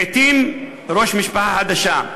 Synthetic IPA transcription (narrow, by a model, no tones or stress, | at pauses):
et̪im | ɾo̞ʃmiʃpaħaħad̪aʃa